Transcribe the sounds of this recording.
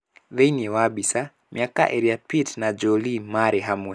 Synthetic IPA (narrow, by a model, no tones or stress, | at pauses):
ðeiniɛwaɓisa | miaka̰ʔɛɾiapitnad͡ʒɔlimaɾɛɦamwɛ